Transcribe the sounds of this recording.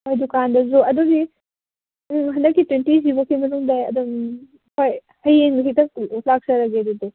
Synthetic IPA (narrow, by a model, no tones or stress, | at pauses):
hojdukandɐzuɐduɡi | ɦɐndɐkːitwentizibokʰimɐnuŋdajɐ̰dum | kʰoj | hɐjeŋɦitɐk̚lak̚sɐɾɐɡedude